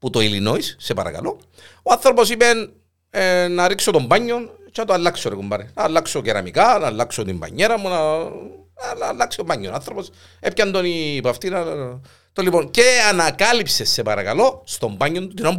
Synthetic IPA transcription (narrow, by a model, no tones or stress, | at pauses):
put̪o̞ilino̞issːe̞pɐ̰ɾɐ̰kɐ̰lo̞ | oanθɾo̞po̞sipen | nɐɾiksot̪o̞mbɐɲːon | t͡ʃenɐt̪oɐlːɐksoɾekombɐɾinɐlːɐkso̞ceɾɐ̰mikanɐːlːɐksot̪imbɐ̰ɲːe̞ɾɐmunɐ | nɐlːaksiobɐɲːonanθɾopo̞s | epcɐnd̪oniːpɐft̪inɐ | t̪olːiponce̞anɐkɐlipse̞sːe̞pɐɾɐkɐlo̞st̪o̞mbɐɲːo̞nt̪ut̪inom